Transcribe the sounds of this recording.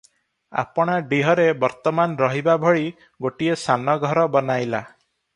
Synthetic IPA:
a̰pɔɽ̃aɖiɦɔɾebɔɾt̪ɔmanɾɔɦibabʱɔɭi | ɡoʈiesanɔɡʱɔɾɔbɔnajla

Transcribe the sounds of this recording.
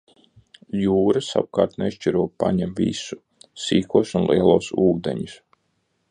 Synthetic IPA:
juːɾasa̰wukaːɾt̪nɛʃt͡ʃiɾuɔpaɲɛmvʲḭsu | siːkuɔsunlˠiɛlˠuɔsuːd̪ḛɲus

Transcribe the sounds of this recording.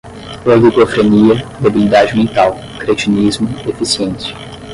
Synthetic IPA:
olikofɾeniɐd̪ebilid̪ad͡ʒɪmẽnt̪aw | kɾet͡ʃinizmʊefisiẽsɐ

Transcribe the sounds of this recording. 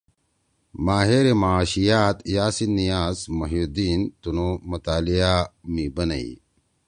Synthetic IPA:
maːɦeɾemaaɕijaːt̪jaːsinːijaːzmɐɦjod̪iːnt̪unomɐt̪aːlijamibɐnɐ̰ḭ

